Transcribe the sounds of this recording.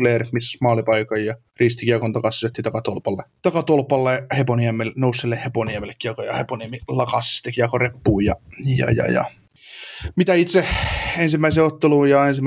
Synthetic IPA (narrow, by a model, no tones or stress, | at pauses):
leːrmismɑːlipɑikɑjjɑ | riːst̪ikiɑkont̪ɑkɑsysøt̪ːit̪ɑkɑt̪olpɑlːet̪ɑkɑt̪olpɑlːeheponiɑmːelːnousːelːeheponiɑmːelːekːiɑkojɑ̰heponiɑmːilɑkɑst̪ekiɑkorepːuːjɑjɑ̰jɑ̰jɑ̰ | mit̪æit̪seensimːæiseːot̪ːeluːjɑensim